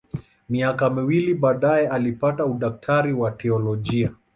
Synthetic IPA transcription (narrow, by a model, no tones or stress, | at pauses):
miakamiwiliɓaːɗajɛalipatauɗak̚tʰaɾiwatɛɔlɔʄia